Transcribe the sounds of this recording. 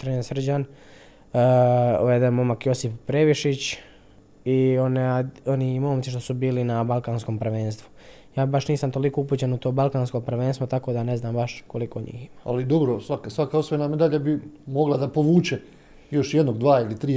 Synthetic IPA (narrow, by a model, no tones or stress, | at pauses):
t̪ɾɲansr̩d͡ʑan | ʋed̪emo̞makjo̞sippːɾeʋiʃit͡ɕ | iononiimo̞ːmi̥ʃ̬t̪osubiːlinabalˠkansko̞ːmpr̩ʋeːnst̪ʋu | jaːbaʃniːsamt̪o̞liko̞upuːt͡ɕenut̪oːbalˠkaːnsko̞pr̩ʋeːnst̪ʋot̪ako̞ːd̪aneznaːmbaʃkoliko̞ːɲḭːximaalid̪obɾosʋakasʋakaosʋoenamed̪aʎabimoɡlˠad̪apoʋuːt͡ʃe | jo̞ʃjed̪noɡd̪ʋaːilit̪ɾiː